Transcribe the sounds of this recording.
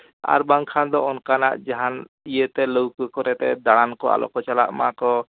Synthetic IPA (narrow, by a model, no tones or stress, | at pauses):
a̰ɾbaŋkʰand̪ɔɔnkanaʔd͡ʒaɦan | ijət̪ɛləwkəkɔɾɛt̪ɛ̰d̪aɽ̃ankɔa̰lʔɔ̰kɔt͡ʃala̰ʔmakɔ